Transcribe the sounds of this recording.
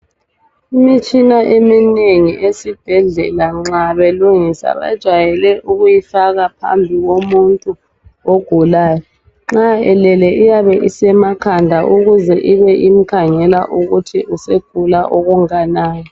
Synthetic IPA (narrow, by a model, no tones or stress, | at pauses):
imit͡ʃʼinaʔemineŋiʔesib̥ʱɛɮɛ̰laŋ͡ǁaβeluŋisa̰βa̰d̥ʒ̥ʱwajɛlɛʔuɣujifaɣapʰa̰mbʱiɣomuntʼu | oɡ̥ʱulaːjɔ | ŋ͡ǁaɛlɛlɛʔijaβɛʔisɛmakʰandʱaʔuɣuzɛʔiβɛʔim̩kʰaŋɛlaʔuɣutʰiʔuseɡ̥ʱulaʔoɣuŋanaːjɔ